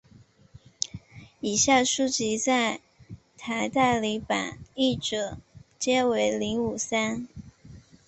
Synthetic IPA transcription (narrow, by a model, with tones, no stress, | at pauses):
i˨˩ɕja˥˩ʂu˥t͡ɕi˧˥t͡sa˥˩ɪ | t̪ʰa˧˥ɪt̪a˥˩ɪli˧˥pa̰˨˩ni˥˩ʈ͡ʂɤ˨˩t͡ɕjɛ˥we˧˥ɪli˧˥ŋu˨˩sa˥n